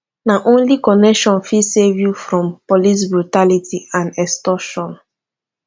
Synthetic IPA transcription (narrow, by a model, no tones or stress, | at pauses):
naʔõnlikɔnɛkʃɔ̃nfisevjufɹɔ̃mpɔlis̬bɹutalitiãnɛstɔʃɔ̃n